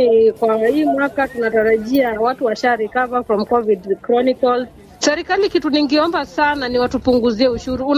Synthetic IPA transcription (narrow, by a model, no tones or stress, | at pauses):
kwahiːmwakatunataɾaʄiawatuwaʃaɾikavafɾɔmkɔvidkɾɔnikɔl | sɛɾikalikituniŋɡiɔmbasananiwatupuŋɡuziɛuʃuɾuun